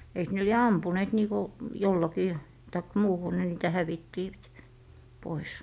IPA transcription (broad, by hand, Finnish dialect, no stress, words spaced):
eik ne lie ɑmpuneːt niːko jolːɑkiː tɑik muːhu ne niːtæ hæʋiːtːiʋæt pois